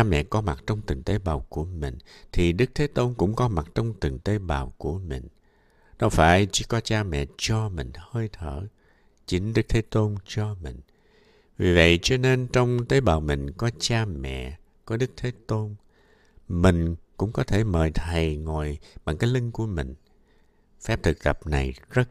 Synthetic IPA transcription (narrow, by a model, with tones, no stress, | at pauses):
a˧mɛ̰˧˨kɔ˨˦ma˨˩t̚t͡ɕɔ˧wŋ͡mt̪ɨ˨˩ŋt̪e˨˦ɓaː˨˩wku˧˩əmï˨˩ŋ̟t̪ʰi˨˩ɗɨ˦˥k̚t̪ʰe˨˦t̪o˧nkʊ̰˧˥ŋ͡mkɔ˨˦ma˨˩t̚t͡ɕɔ˧wŋ͡mt̪ɨ˨˩ŋt̪e˨˦ɓaː˨˩wku˧˩əmï˨˩ŋ̟ | ɗə˧wfaː˧˩jt͡ɕɨ˧˦kɔ˨˦t͡ɕaː˧mɛ̰˧˨t͡ɕɔ˧mï˨˩ŋ̟həː˧jt̪ʰəː˧˩˨ | t͡ɕï˨˦ŋɗɨ˦˥k̚t̪ʰe˨˦t̪o˧nt͡ɕɔ˧mï˨˩ŋ̟ | vi˨˩və̰˧˨jt͡ɕɔ˧ne˧nt͡ɕɔ˧wŋ͡mt̪e˨˦ɓaː˨˩wmï˨˩ŋ̟kɔ˨˦t͡ɕaː˧mɛ̰˧˨ | kɔ˨˦ɗɨ˦˥k̚t̪ʰe˨˦t̪o˧n | mï˨˩ŋ̟kʊ̰˧˥ŋ͡mkɔ˨˦t̪ʰe˧˩məː˨˩jt̪ʰə˨˩jŋɔ˨˩jɓa˨˩ŋkaː˨˦jlï˧ŋ̟ku˧˩əmï˨˩ŋ̟ | fɛ˦˥p̚t̪ʰɨ˨˩k̚t̪ə˨˩p̚na˨˩jzə˦˥t̚